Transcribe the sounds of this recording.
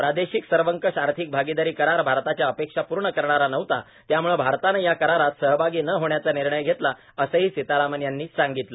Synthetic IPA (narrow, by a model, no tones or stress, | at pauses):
pɾad̪eɕiksəɾʋəŋkəɕaɾt̪ʰiːk̚bʱaɡid̪aɾiːkəɾaɾbʱaɾt̪at͡ɕjaəpekʂapuːɾɳəkəɾɳaɾanəʋt̪a | t̪jamuɭebʱaɾt̪anejakəɾaɾat̪səɦbʱaɡiːnəɦoɳjat͡saniɾɳəjɡʱet̪la | əsəɦiːsit̪aɾamənjanːiːsaŋɡit̪lə